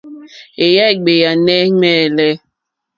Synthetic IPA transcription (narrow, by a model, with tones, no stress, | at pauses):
e˨ja˦˨ɡ͡be˨ja˨nɛ˦ŋɛː˦˨lɛ˦